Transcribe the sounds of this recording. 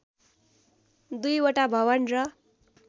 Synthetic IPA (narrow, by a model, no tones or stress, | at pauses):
d̪ujʌʈabʱʌwʌnrʌ